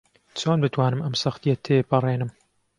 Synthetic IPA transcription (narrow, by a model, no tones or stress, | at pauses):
t͡sʰoːnbɨt̪ʰwaːnɨmɐmsɐxt̪ijɐt̪ʰepɨrˤeːnɨm